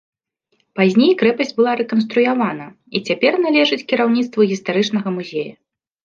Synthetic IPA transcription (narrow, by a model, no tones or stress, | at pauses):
pazʲnʲejkɾɛpɐsʲd͡zʲbɨlˠaɾɛkɐnst̪ɾujavanɐ | it͡sʲapʲɛrnalʲɛʐɨt͡sʲkʲiɾawnʲit̪st̪vɐɣʲist̪aɾɨt͡ʂnɐɣɐmuzʲejɐ̰